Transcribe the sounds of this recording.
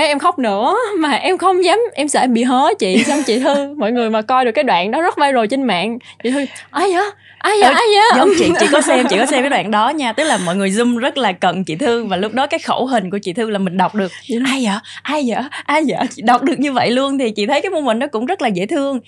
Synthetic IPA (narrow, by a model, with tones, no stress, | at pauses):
ɛ˨˦ʔɛ˧mxa˦˥wk͡p̚nɨ̰˧˩maː˨˩ʔɛ˧mxə˧wŋ͡mzaː˨˦mʔɛ˧msɛ̰˧˥ɓḭ˧˨ɦɔ˨˦t͡ɕḭ˧˨za˧wŋ͡mt͡ɕḭ˧˨t̪ʰɨ˧mɔ̰˧˨jŋɨ˨˩jmaː˨˩kɔ˧jɗkːaː˨˦ɗwa̰ː˧˨nɗɔ˨˦zə˦˥t̚va˧jzo˨˩jt͡ɕe˧nma̰ː˧˨nt͡ɕḭ˧˨t̪ʰɨ˧ʔaː˧jəː˧˩˦ | ʔaː˧jʔaː˧jɲaː˨˦zə˨˦ŋ͡mt͡ɕḭ˧˨t͡ɕḭ˧˨kɔ˨˦sɛ˧mḭ˧˨kɔ˨˦s̬ɛ˧mvəː˨˦ɗwa̰ː˧˨nɗɔ˨˦ɲaː˧t̪ɨ˦˥k̚laː˨˩mɔ̰˧˨jŋɨ˨˩əjzʊ˧ŋ͡mzə˦˥t̚laː˨˩kə̰˧˨nt͡ɕḭ˧˨t̪ʰɨ˧əŋvaː˨˩lʊ˦˥k͡p̚ɗɔ˨˦kaː˨˦jxo̰˧˩wɦï˨˩ŋ̟k̬u˧˩ət͡ɕḭ˧˨t̪ʰɨ˧laː˨˩mï˨˩ŋ̟ɗa˨˩wk͡p̚ɗɨ˨˩ək̚ʔaː˧jəː˧˩ʔaː˧jzə̰ː˧˩ʔaː˧jzə̰ː˧˩t͡ɕi˧˨ɗa˨˩wk͡p̚ɗɨ˨˩ək̚ɲɨ˧və̰˧˨jlu˧ənt̪ʰi˨˩t͡ɕḭ˧˨t̪ʰə˨˦jkaː˨˦jmo˧nhï˨˩ŋ̟ɗɔ˨˦kʊ̰˧˥ŋ͡mzə˦˥laː˨˩zḛ˧˥t̪ʰɨ˧əŋ